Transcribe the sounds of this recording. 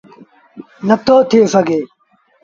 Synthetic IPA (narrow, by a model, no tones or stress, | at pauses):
nɐt̪ʰoːt̪ʰijosɐɡʱeː